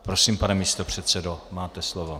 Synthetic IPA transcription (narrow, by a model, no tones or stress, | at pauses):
pɾosiːmpanɛmiːst̪opr̝̥ɛt̪sɛdomaːt̪ɛslovo